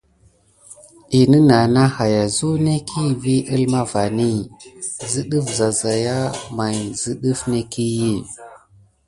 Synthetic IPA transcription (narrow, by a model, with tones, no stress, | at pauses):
i˨nə˦na˨na˦ha˨ja˨zu˦ne˦kʰi˦˨vi˦ʔi˦lma˦va˨ni˦˨zi˦ɗə˦fza˨za˨ja˦ma˨jzi˦ɗu˦fne˦ki˦ji˦˨